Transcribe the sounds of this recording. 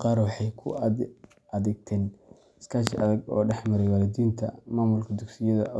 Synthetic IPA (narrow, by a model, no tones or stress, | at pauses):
qɑːɾwɑħɑjkʰʊ̰ | ɐðɛɡ̚t̪ʰɛːn | ɪskʰaːʃʔɐðɐɡɔ̰ːɖɛħmɐɾɛjwɑːlɪd̪iːnt̪ʰɐ̰maːmʊlkʰɐd̪ʊɡsɪjɐðɐ̰